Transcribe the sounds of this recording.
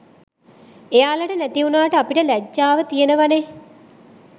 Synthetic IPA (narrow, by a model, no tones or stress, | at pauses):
ejaːlaʈənæt̪iunaːʈəapiʈəlæd͡ʒːaːʋət̪ijenəʋane